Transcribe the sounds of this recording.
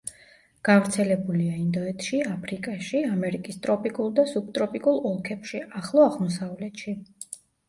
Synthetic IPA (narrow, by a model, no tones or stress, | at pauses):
ɡ̥avɾt̪sʰɛlɛbuliaind̪ɔɛt̪ʰʃiapʰɾikʼaʃiamɛɾikʼist̪ʼɾɔpʼikʼulˠd̪asuk̚t̪ʼɾɔpʼikʼulˠɔlˠkʰɛpʃiaχlˠɔaʁmɔsavlɛt̪ʃi